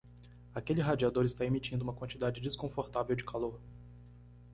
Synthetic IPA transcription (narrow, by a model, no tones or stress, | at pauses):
akelɪɦad͡ʒiad̪oɾɪst̪aemit͡ʃĩnd̪uũmɐkwɐ̃nt͡ʃid̪ad͡ʒɪd͡ʒɪskõfoɾt̪avewd͡ʒɪkaloɾ